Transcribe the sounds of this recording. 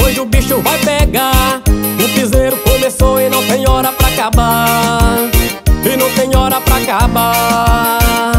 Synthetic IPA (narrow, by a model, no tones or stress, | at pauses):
pojzʊbiʃʊvajpeɡaɾʊfizɛɾʊkomesoɪnɐ̃w̃t̪ẽj̃ɔɾɐpɾaakaba | ɪnɐ̃w̃t̪ẽj̃ɔɾɐpɾɐakaba